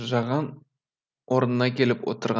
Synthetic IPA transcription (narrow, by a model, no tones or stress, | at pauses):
ʒɑʁɑn | wʔoɾənənɑkʲe̞lɪpwo̰t̪əɾʁɑ